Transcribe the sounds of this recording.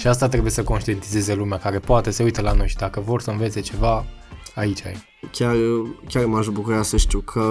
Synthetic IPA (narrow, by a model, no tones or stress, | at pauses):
ʃiast̪at̪ɾebuje̞səko̞nʃt̪ije̞nt̪ize̞zelumeakaɾe̞poat̪e̞se̞ujt̪əlano̞jʃid̪akəvo̞rsəɨnve̞t̪se̞t͡ʃe̞vaait͡ʃa̰j | kʲarkʲarmaʃbukuɾasəʃt̪iwkʰə